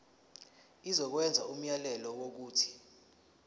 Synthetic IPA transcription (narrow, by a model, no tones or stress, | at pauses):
izɔk̬wɛnd͡zʱaum̩jalɛlɔwok̬uːtʰi̥